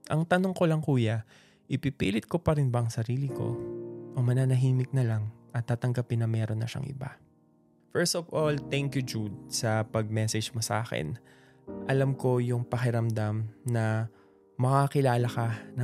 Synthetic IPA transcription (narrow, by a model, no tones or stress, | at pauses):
ʔɐŋt̪ɐnoŋko̞lɐŋkuːjɐ | ʔɪpipiːlɪt̪̚ko̞pɐɾɪnbɐʔɐŋsɐɾiːlɪko̞̰ʔomɐnaːnɐɦiːmɪk̚nɐlaŋʔɐt̪ːaːt̪ɐŋɡɐpɪnːɐmɛːɾo̞nːɐʃa̰ŋʔɪ̰ba̰ | fɛɹst̪ovʔolt̪ɛŋkjʊd͡ʒud̪̚sɐpɐɡ̚mɛsɛd͡ʒmosɐʔa̰ːxɛ̰n | ʔɐlamko̞jʊŋpɐxɪɾɐmd̪amnɐ | mɐkakɪlaːlɐkɐnɐ